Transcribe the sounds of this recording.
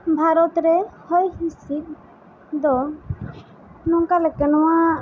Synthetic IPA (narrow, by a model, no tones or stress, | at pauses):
bʱaɾɔt̪ɾɛhɔjhisit̪̚ | d̪ɔ | nɔŋkalɛkɛnɔwa